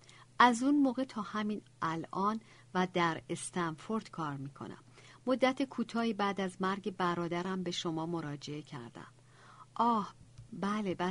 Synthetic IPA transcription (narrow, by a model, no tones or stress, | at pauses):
ʔæzunmoːɣe̞t̪ʰɒːhæmiːn | ʔælʔɒːn | væd̪æɾe̞st̪ænfo̞ɾd̪̥kʰɒːɾmiːkʰo̰nʔæ̰mːo̞d̪ːæt̪ʰekʰuːt̪ʰɒːhibæːd̪æzmæɾɟe̞bæɾɒːd̪æɾæmbe̞ʃomɒːmo̞ɾɒːd͡ʒe̞ecʰæ̰ɾd̪æ̰m | ʔɒːhbælebæ